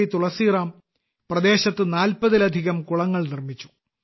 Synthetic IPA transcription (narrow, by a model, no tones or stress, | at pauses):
it̪uɭɐsiːraːm | prɐd̪e̞ːɕɐt̪ːɨnaːlpɐðilɐd̪ʱiɣɐmkuɭɐŋːɐɭnirmit͡ɕːu̥